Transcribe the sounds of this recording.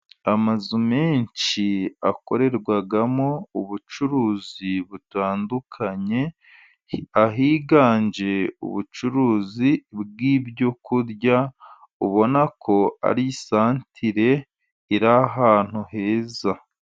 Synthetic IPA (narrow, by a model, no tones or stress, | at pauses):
amazume̞ːɲt͡ʃia̰ko̞ɾe̞ɾɡwaɡamo̞uβut͡ʃuɾuːziβutaːndukʰaɲe̞ | aɦiːɡaːɲd͡ʒe̞ṵβut͡ʃuɾuːzibɡiːbjo̞kuɾja | uβo̞nakʰo̞a̰ɾisaːntʰiɾe̞ | iɾaɦaːn̥huɦe̞ːza